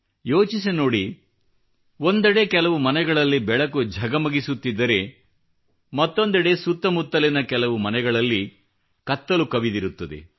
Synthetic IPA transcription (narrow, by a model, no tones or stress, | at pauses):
jo̞ːt͡ʃisino̞ːɽi | o̞nd̪ɐɽe̞kɛlɐʋumɐnɛɡɐɭɐlːibɛɭɐkud͡ʒʱɐɡɐmɐɡisut̪ːid̪ːɐɾe̞ | mɐt̪ːo̞nd̪ɐɽe̞sut̪ːɐmut̪ːɐlinɐkɛlɐʋumɐnɛɡɐɭɐlːi | kɐt̪ːɐlukɐʋid̪iɾut̪ːɐd̪ḛ